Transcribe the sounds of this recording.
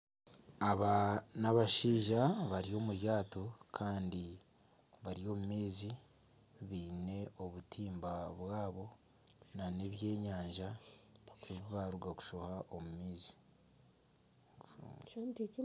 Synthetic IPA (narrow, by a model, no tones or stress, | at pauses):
aβanaβaʃiːʒaβaɾio̞muɾjaːto̞kʰaːndi | βaɾio̞mumiːzi | βiːne̞o̞βutʰiːmbaβwaːβo̞ | nane̞βje̞ːɲaːɲʒa | eβiβaɾuɡaku̥ʃohaʔomumiːzi̥